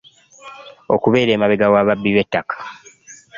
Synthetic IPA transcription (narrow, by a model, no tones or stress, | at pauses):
o̞̰kuβe̞ːɾe̞ːmaβeɡawaβabːiβe̞tːakḁ